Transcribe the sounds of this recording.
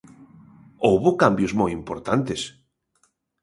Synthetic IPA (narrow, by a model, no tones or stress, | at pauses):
owβʊkambjʊzmojimpoɾt̪ant̪es